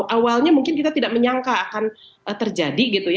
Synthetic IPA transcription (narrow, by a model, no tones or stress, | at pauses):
ʔawalɲamuŋkɪnkit̪at̪idaʔ̚məɲaŋkaːkan | ʔət̪ərd͡ʒadiɡit̪uj